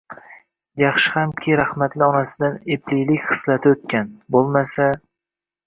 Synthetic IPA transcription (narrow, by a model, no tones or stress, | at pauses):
jɑχʃɪhamkʲʰɪɾahmat̪lɪɒnasɪd̪aneplijlɪkʲχɨ̥slat̪ʰɪot̪̚kʲanbolˠmasa